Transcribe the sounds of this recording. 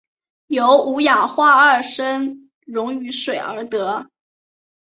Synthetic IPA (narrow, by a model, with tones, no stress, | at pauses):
jo˧˥ʊu˧˥ja˨˩xwa˥˧ə˞˥˩ʂə˥n | ɻʊ˧˥ŋy˧˥ʂwe˨˩ɪə˞˧˥t̪ɤ˧˥